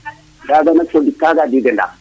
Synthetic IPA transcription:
ɡaɡanat͡ʃodikaɡadiɡənda̰

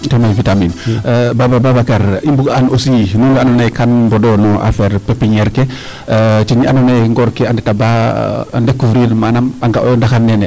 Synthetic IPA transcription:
tɛmafitaminbabababakaɾimbuɡanosinunanɔnajkanbɔdɔnɔʔa̰fɛɾpepːiɲɛɾke | t͡ʃiɲianonajŋɡɔɾkeandɛtabandekːufɾiɾmanamaŋɡandaxannːɛnɛ

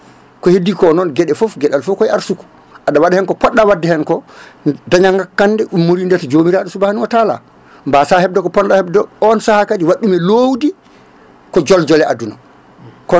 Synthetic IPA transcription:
kɔhedːikɔnɔnɡɛɗɛfofɡɛɗalfɔfkɔjaɾsuku̥ | ʔaɗawadɛhɛnkɔpɔɗːawadːɛhɛnkɔdaɲaŋɡakːandɛɗumːoɾindɛtɔd͡ʒomiɾaɗɔsubahanuwatala̰ | mbasahɛb̚dɔkɔpɔnɗahɛbdɔɔnsahakadiwaɗːumɛloːwdi | kɔd͡ʒɔld͡ʒɔlɛʔa̰duna | kɔ

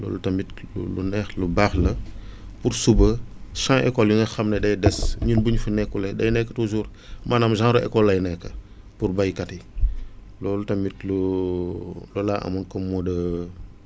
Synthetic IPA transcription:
lɔ̰ːlutɐmitlṵlṵnɛxlubaːxlɐ | puɾsubə | ʃãŋʔɛ̰kɔljuŋɐxɐmnɛdɐjdɛsɲinbuɲfunɛkːulɛdɐjnɛkːə̥tuʒuːr | maːnɐmʒãːɾɔʔɛ̰kɔlːɐjnɛkːɐ | purbɐjkati | lɔːlutɐmitlu | lɔlaʔɐ̰mɔnkɔmɔdɐ

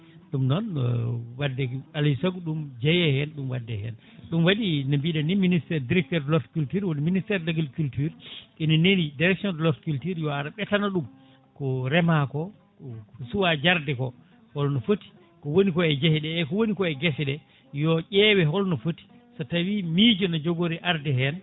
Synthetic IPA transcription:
ɗumnɔn̰wadːɛalisaɡɗumd͡ʒɛjɛhɛnɗumwadːɛhɛ̰n | ɗumwaɗinambiɗaniministɛɾdiɾɛk̚tɔɾdlɔɾtkultuɾwoniministɛɾlaɡilkultyɾkinɛnenidiɾɛksiɔndlɔtkultiɾjɔaɾaɓɛtanaɗum | kɔɾɛmakɔ | kɔsuwad͡ʒaɾdɛkɔ | hɔlnɔfoti̥ | kɔwonikɔɛd͡ʒahɛɗɛːkɔwonikɔɛɡɛsɛɗɛ | jɔʔɛwɛɦɔlnɔfoti̥ | sɔtawimid͡ʒɔnɔd͡ʒoɡoɾiʔaɾdɛɦɛn

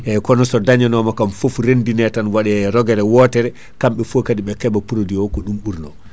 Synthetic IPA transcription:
ʔɛkɔnɔsɔdaɲanɔmakamfofɾendinɛtanwaɗɛɛɾɔɡɛɾɛwɔtɛɾɛ | kamɓɛfokadiɓɛkɛbapuɾodiɔkɔɗumɓuɾnɔ̰

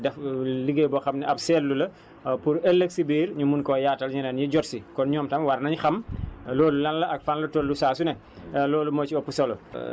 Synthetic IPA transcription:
dɛfliɡebɔxɐmnɛʔɐpsɛːlːulɐ | puɾɛlːəksibiːɾɲumunkɔjaːtɐlɲinɐnjiɟɔtsikɔnɲɔːmtɐmwɐrnɐɲxɐmlɔːlulɐnlɐɐk̚fanlɐtolːusaːsunɛ | lɔːlumɔːt͡ʃiɔpːusɐlɔ

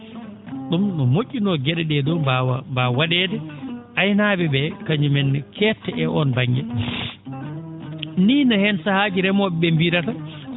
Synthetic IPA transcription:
ɗumnɔmoʔʲːinɔɡɛɗɛɗɛdɔambawaɗɛːdɛajnaːbɛbɛkaɲumɛnːkʰɛːtːɛʔɛʔɔnbaɲɡɛ̰ | niːnɔhɛnsahaːd͡ʒiɾɛmɔɓɛɓɛmbiɾata

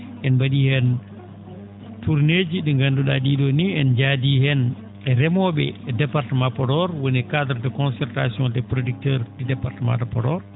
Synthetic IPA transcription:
ʔɛnbaɗihɛn | tuɾned͡ʒiɗiŋɡanduɗa̰ɗiːɗɔniɛnd͡ʒadihɛn | ɛɾɛmɔɓɛ̰ɛdɛpaɾtəmãpɔdɔɾwɔnikadɾdɛkɔnsɛɾtasiɔ̃ndɛpɾodik̚tɛɾdidɛpaɾtəmã̰dɔpɔdɔɾ

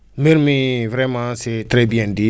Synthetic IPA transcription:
meɾmĩvɾɛmãsɛt̪ɾɛbijɛ̃di

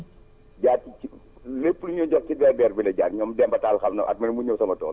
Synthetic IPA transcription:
ɟaːt̚i | lepːluɲɔɟɔk̚cidɛrdɛrbilɛɟaːtɲɔːmdɛmbɐtaːlxɐmnɐʔɐ̰t̚mɐnmuɲɐwsɐmɐtɔ̰ːl

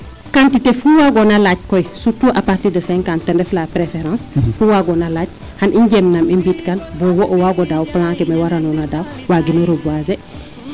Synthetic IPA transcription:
kãntitefuwaɡɔnalac̚kɔjsutːuʔapaɾtiːdəsɛ̃ŋkãntɛndɛflapɾefɛɾãnsfuwaɡɔnalac̚ | hanʔiɲɟɛmnamimbitkanbɔwɔʔɔwaɡɔdawplãkɛmawaɾanɔnadawwaɡinoɾobuazɛ

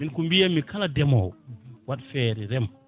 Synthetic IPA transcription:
minkumbijamikʰaladɛmɔwwaɗfɛːɾɛɾɛm

